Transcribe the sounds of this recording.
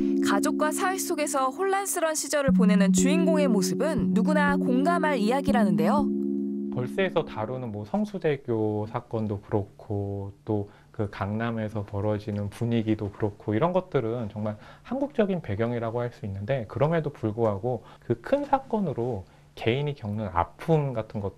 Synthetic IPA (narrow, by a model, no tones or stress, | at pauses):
kad͡ʑok̚k͈wasʰawes͈oɡe̞sʰʌhoɭːans͈ɯɾʌnɕʰid͡ʑʌɾɯɭp̬one̞nɯnt͡ɕuinɡoŋe̞mosʰɯbɯnːuɡunakoŋɡamɦaɾijaɡiɾanɯnde̞jopʌɭs͈eːsʰʌtaɾunɯnmwʌsʰʌŋsʰude̞ɡjosʰak͈ʌndokɯɾokkʰot͈o | kɯkaŋname̞sʰʌpʌɾʌd͡ʑinɯnpuɲiɡidokɯɾokʰoiɾʌnɡʌt̚t͈ɯɾɯnt͡ɕʌŋmaɭhanɡuk̚t͡ɕ͈ʌɡinpe̞ɡjʌŋiɾaɡohaɭs͈uinːɯnde̞kɯɾʌmedopuɭɡoɦaɡokɯkʰɯnsʰak͈ʌnɯɾo | ke̞inikjʌŋnɯna̰pʰumɡatʰɯnɡʌ